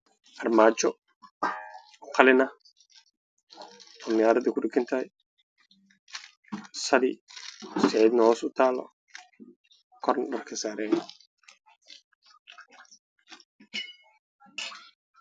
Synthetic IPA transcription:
ʔɐrmaːt͡ʃɔ | ɔqʰɑlɪnɐ | ɔːmɪjaːɾɐd̪ɪkʰʊɖɪkʰɐnt̪ʰɐhɛj | sɐlɪ̰ɔsɪʕiːd̪nɐhɔːsʊt̪ʰaːlɔ̰ | kʰɔrnɖɐrkʰɐsaːɾɛːj

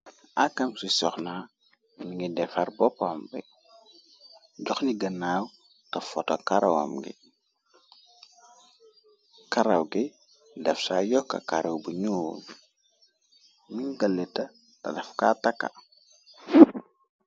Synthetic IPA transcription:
akːɐmsisɔxnaː | miŋɡidɛfɐrbɔpamɡi | ɟɔxniɡɐnːaːw | tɐfɔtɔkaɾɐwɐ̰mɡḭ | kaɾɐwɡi | dɛfsaːjɔkːɐ̰kaɾɐwbuɲuːl | miŋɡɐlːɛtɐ | tɐ̰dɐfkatakːa̰

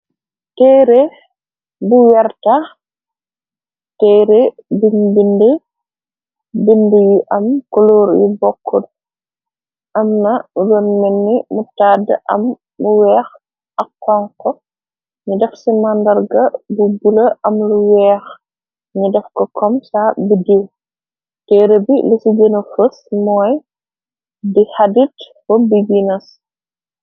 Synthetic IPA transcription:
tɛːɾe | buwɛɾta | tɛːɾebinbinde | bindijiʔɐmkɔlɔːɾjḭbɔkʰːɔd | ʔɐmnɐdɔnmɛnːimutaːdə̰ʔɐ̰mː | uwɛːx | ʔɐkːɔŋkɔ | ɲudɛfsimandɐɾɡɐbubulɐʔɐmluwɛːx | ɲudɛfkɔkʰɔmsabidiw | tɛɾəbilisiɡənɐfəsmɔːj | dihaditfɔbiɡinɐs

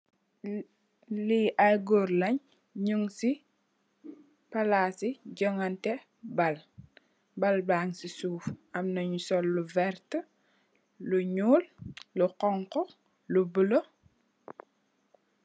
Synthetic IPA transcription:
liʔaɡɔɾlɐɲ | ɲuŋsi | pɐlaːsiɟɔŋɐntɛ | bɐl | bɐlbaːŋsisuːfʔɐmnɐɲusɔlːuvɛrt | luɲuːlluqɔŋqɔ | lubəlo

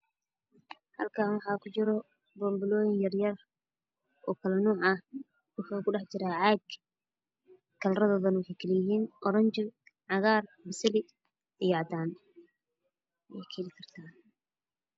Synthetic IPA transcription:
hɐ̰lkʰaːnwɑħɑːkʰʊt͡ʃɪɾɔ | bɔːmbɪlɔːjɪŋjɐrjɐr | ʔɔːkʰɐlɐnɔːʕɐ | wʊħakʰʊɖɑħt͡ʃɪɾaːʕaːɡ | kʰɐlrɐðɔːðɐnwɑħejkʰɐlɪjɪɦiːnʔɔɾɐɲt͡ʃɪ | ʕɑɣaːrbɪsɪlɪ | ijɑʕd̪aːn | wɛjkʰɛlɪkʰɐrt̪ʰaː

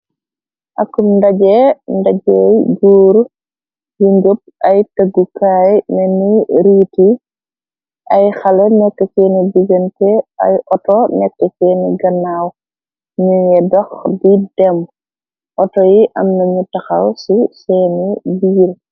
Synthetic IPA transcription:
ʔɐkːumndɐɟɛndɐɟɔjɡuːɾ | juŋɡop̚ʔɐjtɐɡukaːjnɛniɾiːti | ʔɐjxɐlɛnɛkːɛkɛnidiɡəntɛɐ̰jʔɔtɔnɛkːɛkɛːniɡɐnːaw | ɲujɛdɔxbidɛm | ʔɔtɔjiʔɐmnɐɲutɐxɐ̰lsusɛːnibiːɾ

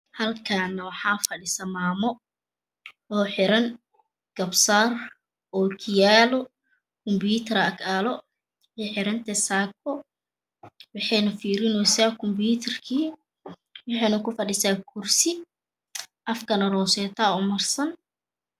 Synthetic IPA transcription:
hɐlkʰaːnɐwɑħɑːfɐɖɪsɐmaːmɔ | ɔːħɪɾɐŋ | ɡ̥ɐbsaːr | ɔːkʰɪjaːlɔ | kʰɔmbuːt̪ʰɛɾɐkaːlɔ | ɛːħɪɾɐnt̪ʰɐsaːk̚ʰɔ | wɑħɑjnɐfiːɾɪnɔsaːkʰɔmbuːt̪ʰɛrkʰiː | wɑħɑjnɐkʊfɐɖɪsaːkʰʊrsɪ | ʔɐfkʰɐnɐrɔːsɛːt̪ʰaːɔmɐrsɐn

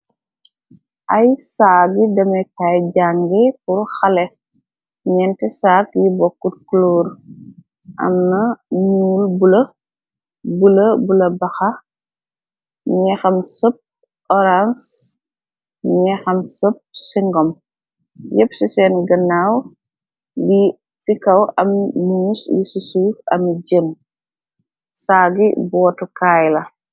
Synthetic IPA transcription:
ʔɐjsaːɡidɐmɐjkajɟaŋɡɛpuɾxɐlɛ | ɲɛntɛsaːkjibɔkːut̚klɔːr | ʔɐ̰mnɐmuːlbulɐ | bulɐbulɐbɐxɐ | ɲɛxɐmsəp̚ | ʔɔɾans | ɲɛxɐmsəp̚siŋɡɔm | jɛpsisɛːnɡɐnːaːw | li | sikɐwɐmnusjisisuɐ̰md͡ʒəm | saːɡibɔːtukaːjlɐ

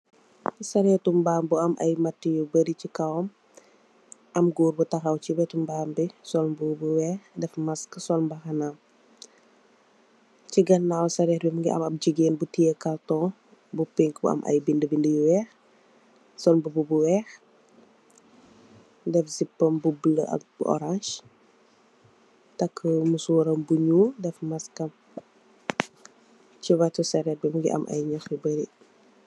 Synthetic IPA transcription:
sɐɾɛtumbaːmbuɐmʔɐ̰jmɐtːijubəɾicikɐwɔm | ʔɐmɡuːrbutɐxɐwcibɛtumbaːmbisɔlmbubuwɛːxdɛfmɐskəsɔlmbɐxɐnam | ciɡɐnːawsɐɾɛhbimuŋɡiʔɐ̰mɐp̚d͡ʒiɡeːnbutijəkɐltɔː | bupeŋkbṵɐ̰mʔɐ̰jbindəbindəjuwɛːx | sɔnbububuwɛx | dɛfzipːɐmbubləʔɐ̰k̚buʔɔ̰ɾaɲʃ | takʰːəmuswɔɾəmbuɲudɛfmɐskɐm | t͡ʃiwatusɐɾɛhbimuŋɡḭʔɐ̰mʔɐ̰jɲɔxibəɾi

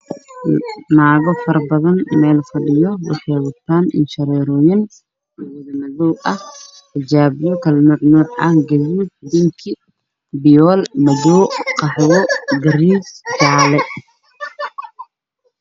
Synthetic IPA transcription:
naːɣɔfɐrbɐðɐnmɛːlfɐɗɪjɔwɑħɑjwɐt̪ʰːaːnɪ̰nʃɐɾɛːɾɔːjɐn | wɪðɐmɐðɔːʔɐh | t̪ʰɐd͡ʒaːβɪjɔkʰɐlmɐʕnuːʕʔɐhɡɐðuːdd̪ɪŋkʰɪ | bɪjɔːlmɐðɔːqɑħjɔɡɐɾiːsɡaʕlɛ

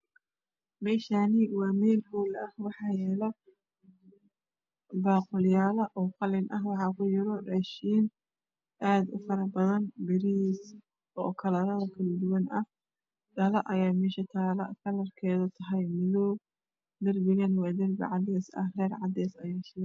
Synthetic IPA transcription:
mɛːʃaːnɪwɑːmɛːlhɔːlɐhwɑħɑːjɛːlɐ | baːqʊljaːlɐʔɔːqɑlɪnʔɐɦwɑħɑkʰʊjɪɾɔraːʃiːn | ʔaːd̪ʊ̰fɐɾɐbɐðɐnbɪɾis | ɔːkʰɐlɐɾɐðɐkʰɐlɐd̪ʊwɐnɐh | ɖɐlɐʔɐjaːmɛːʃɐt̪ʰaːlɐ̰kʰɐlɐrkʰɛːðɔt̪ʰɐɦɐjmɪðɔː | d̪ɐrbɪɣɐnwɑːd̪ɪrbɪ̰ʕɑd̪ɛːsɐ̰hrɛːrʕɑd̪ɛːsɐjaːʃɪlɛ

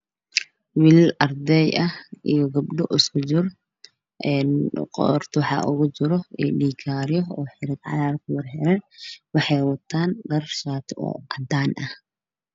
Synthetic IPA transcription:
wilɐrd̪ɛjʔɐʔijɔɡɐbɖɔʔɪskʰʊt͡ʃɪr | ʔɛːnqɔ̰rt̪ʰwɑħɑ̰ʔʊɣʊt͡ʃɪɾɔiɗiːkʰaːɾɪjɔɔːħɪɾɪd̪ʕɑ̰ɾaːrkʰʊwɑrħɛɾɛnwɑħɑjwɐt̪ʰːaːnɖɐrʃaːt̪ʰɔ̰ːʔɐd̪aːnʔɐh

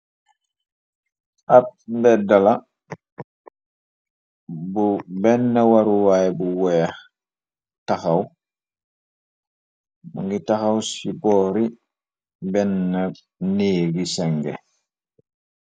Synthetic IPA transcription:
ʔat̚mbɛdala | bubɛnːəwaɾuwaːjɛbuwɛːx | taxɐw | mṵŋɡitaxawsibɔːɾi | bɛnːə | niːɡisɛŋɡɛ̰

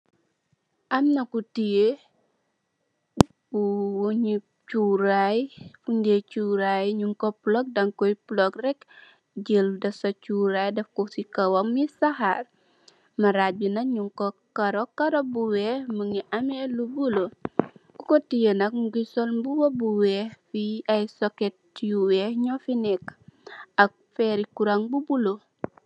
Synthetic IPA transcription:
ʔamnɐkutije | b̥uwoɲi | t͡ʃuɾajfundet͡ʃuɾajɲuŋkoplɔk̚dɐŋkɔjplɔkrɛk | d͡ʒeldɐsɐt͡ʃuɾajdɛfkusikɐwomːisaha̰ɾ | mɐɾabinɐɲuŋkokaɾokaɾobuwɛhməŋiʔamelubuloɡukotijənɐk̚mɡusolbuwobuwɛhfiajsoketː | uwɛhɲofinɛk | ɐk̚fɛɾikuɾaŋbubulo

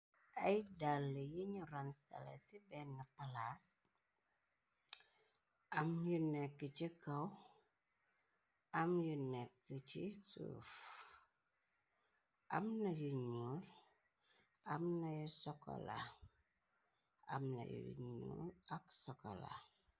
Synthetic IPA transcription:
ɐjdalːəjiɲuransa̰la̰sibɛnːapalas | ʔamjunɛkːəcikaw | amjunɛkːəcisṵːf | ʔa̰mnɐjuɲul | amnajusɔkɔ̰la̰ | a̰mna̰jṵɲṵːlaksɔkɔ̰la̰

